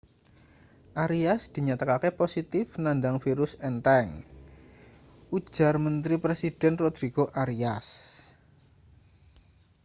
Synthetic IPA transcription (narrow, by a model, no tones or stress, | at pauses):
ʔaɾiasd̪̥i̤ɲat̪akakeposit̪ɪfnand̪aŋfiɾʊsɛnt̪ɛŋ | ʔu̥ʒ̥a̤rmənt̪ɾipɾesid̥ɛ̤nrod̪̥ɾiɡ̥oʔaɾias